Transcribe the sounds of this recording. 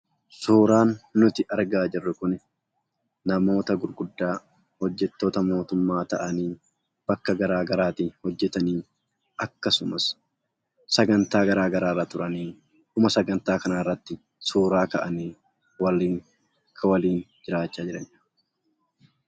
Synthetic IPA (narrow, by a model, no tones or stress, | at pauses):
suːɾaːnːʊt̪ɪʔɐɾɡaːd͡ʒɪrːʊkʊnɪ | nɐmo̞ːt̪ɐɡʊɾɡʊd̪ːaː | hɔd͡ʒːɛt̪ːo̞ːt̪ɐmo̞ːt̪ʊmːaːt̪ɐʔɐniː | b̥ɐkːɐɡɐɾaːɡɐɾaːt̪ihɔd͡ʒːɛt̪ɐniː | ɐkːɐsʊmɐs | sɐɡɐnt̪aːɡɐɾaːɡɐɾaːrːaːt̪ʊɾɐniː | kʊmɐsɐɡɐnt̪aːkɐnaːɪrːɐt̪ːɪ | suːɾaːkɐʔɐniː | wɐliːŋ | ɐkʰːɐwɐliːnd͡ʒɪɾaːt͡ʃːaːd͡ʒɪɾɐɲ